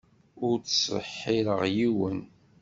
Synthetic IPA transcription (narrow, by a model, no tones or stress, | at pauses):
ʊɾt͡ssə̰ħːiɾəʁjiwən